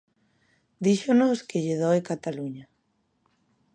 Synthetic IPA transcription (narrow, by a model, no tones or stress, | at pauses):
d̪iʃonoskeʎeðoekat̪aluɲa